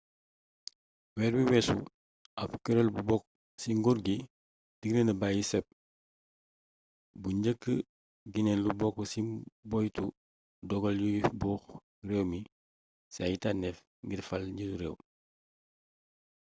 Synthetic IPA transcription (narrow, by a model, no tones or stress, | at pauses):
wɛːɾwiwɛsṵ | ʔɐpkɛɾɔlbubɔk | siŋɡuɾɡi | diɡnənəbaːjisɛp̚ | buɲɟəkːə | ɡinɛnlubɔkːusibɔjtu | dɔɡɔljuɡifbuːx | rɛwmi | sajitanɛf | ŋɡirfɐlɲituɾɛw